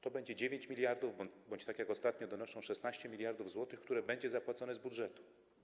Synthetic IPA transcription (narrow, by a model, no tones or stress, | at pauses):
t̪ɔbɛɲd͡ʑɛd͡ʑevʲjeɲt͡ɕmʲilʲjaɾd̪uvbɔbɔɲt͡ɕt̪akʲjakɔst̪at̪ɲɔd̪ɔnɔʂɔ̃w̃ʂɛsnaɕt͡ɕɛmʲilʲjaɾd̪uvzwɔt̪ɘxkt̪uɾɛbɛɲd͡ʑɛzapwat̪sɔnɛzbudʐɛt̪u̥